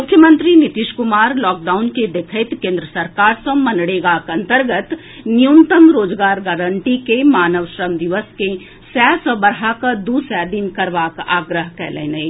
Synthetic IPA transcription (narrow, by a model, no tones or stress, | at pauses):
mʊkʰːjəmə̃nt̪ɾinit̪iʃkʊmaːɾlɔːk̚ɖaːʊnked̪ekʰət̪kẽːnd̪ɾəsəɾkaːɾsə̃mɐnɽeɡakɐ̃nt̪əɾɡət̪ | nijunt̪əmɾoːd͡ʒɡaːɾɡaɾəɳʈikemaːnəʋʃɾəmd̪iʋəske | sɛːsəbəɾakad̪usɛːd̪inkɐɾʋaːka̰ːɡɾəɦkɛ̰ːlḛːnəj